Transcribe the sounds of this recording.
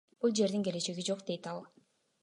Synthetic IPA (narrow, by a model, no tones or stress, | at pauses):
b̥ulˠd͡ʒe̞ɾd̪iŋɡe̞le̞t͡ʃe̞ɡid͡ʒo̞qd̪e̞jt̪ɑlˠ